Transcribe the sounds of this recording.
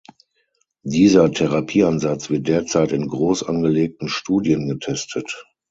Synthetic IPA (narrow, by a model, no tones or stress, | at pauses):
diːzɐtʰɛʁapʰiːanzat͡sv̥ɪɐt̚d̥eːɐt͡saɪtɪnɡʁoːsʔa̰nɡəleːk̚tn̩ʃtuːdiənɡətʰɛstʰət